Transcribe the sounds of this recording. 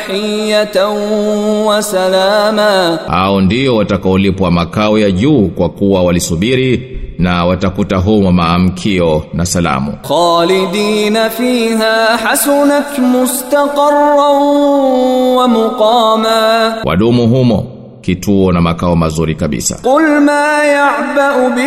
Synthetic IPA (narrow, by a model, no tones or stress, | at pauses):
ħɪjːat̪ | wasalaːmaːha̰ɔndiɔwatakaɔlipwamakaɔjaʄuːkwakuwawalisuɓiɾinawatakutaɦumɔmaːm̩kʰiɔnasala̰mṵxɑːlɪd̪iːnafiːɦaːħasʊnat̪mʊst̪aqɑrˤːa | wamʊqɑːmaːwʔa̰ɗumuɦumɔ̰ | kitʰuɔnamakaɔmazuɾikaɓḭsa̰qʊlmaːjaʕbaʔbɪ